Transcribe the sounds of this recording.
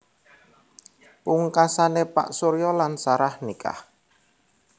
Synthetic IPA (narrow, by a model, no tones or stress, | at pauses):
puŋkasanepa̰ʔsoɾijɔlansaɾahnika̰h